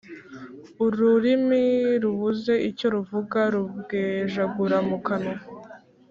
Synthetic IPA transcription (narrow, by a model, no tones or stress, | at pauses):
uɾuɾimiɾuβuze̞ʔico̞ɾuvuɡaɾubɡeːʒaɡuɾamukano